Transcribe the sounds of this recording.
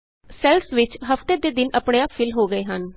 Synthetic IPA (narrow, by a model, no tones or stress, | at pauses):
sɛlsʋɪt͡ʃɦəft̪eːd̪eːd̪ɪnəpɳeãpʰɪlɦoːɡəeːɦən